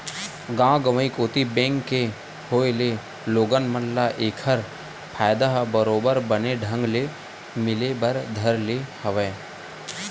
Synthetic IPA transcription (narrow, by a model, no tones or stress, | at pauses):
ɡãːɡəʋəikoːt̪ibẽːŋkːe | hoːele | loːɡənmənlaʔeːkʰəɾ | pʰaːjd̪aɦbəɾoːbəɾbəneɖʱə̃ŋɡle | mɪlebəɾd̪ʱəɾlehɐʋeː